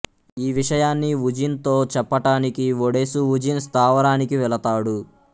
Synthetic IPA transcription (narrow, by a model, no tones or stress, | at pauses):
iːʋiʂɐjaːnːiʋud͡ʒint̪oːt͡ʃɛpːɐʈaːnikiʋoɽesuʋud͡ʒinst̪ʰaːʋɐɽaːnikiʋɛɭɐt̪aːɽu